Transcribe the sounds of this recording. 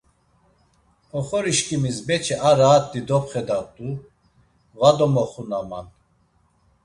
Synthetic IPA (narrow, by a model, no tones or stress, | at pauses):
ɔχɔɾiʃkʼimisbɛt͡ʃʰɛʔaɾaːt̪̚ːid̪ɔpχɛd̪at̪ʼu | vad̪ɔmɔχunama̰n